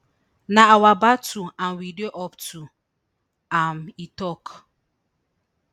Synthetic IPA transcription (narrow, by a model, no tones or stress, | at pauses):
naawabatuanwidioʔɔptu | amitɔk